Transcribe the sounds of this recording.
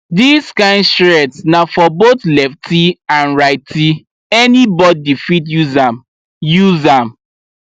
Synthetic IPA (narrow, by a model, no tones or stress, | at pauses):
diskãɪ̃ndsɾɛtsnafɔbotlɛftʰiãnɹaɪtʰi | ɛnibɔddifit̬juzam | juzam